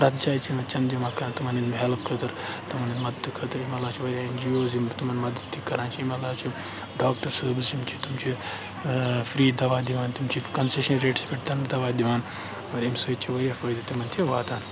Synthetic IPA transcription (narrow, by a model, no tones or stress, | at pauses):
pɾɐt̪̚d͡ʒaːjt͡ʃʰimɐnt͡ʃʰɐnd͡ʒɐmaːkɐɾt̪umɐninmɦelfkʰɐt̪ɐɾt̪imɐninmɐd̪əd̪kʰɐt̪ɨɾimɐlːaːt͡ʃʰiʋɐɾʲjaːenʲd͡ʒijoːzimt̪umɐnmɐd̪əd̪t̪ʰːikɐɾaːnt͡ʃʰiimɐlaːt͡ʃʰi | ɖaːk̚ʈɐɾsɐbizimt͡ʃʰit̪umt͡ʃʰi | fɾiːd̪ɐʋaːd̪iʋaːnt̪umt͡ʃʰikɐnseʃɐnɾeːʈsbʲiʈt̪ɐnd̪ɐʋaːd̪iʋaːn | oɾimsoit͡ʃʰiʋɐɾʲijaːfɐːjd̪ɐt̪imɐnt̪ʰieʋaːt̪aːn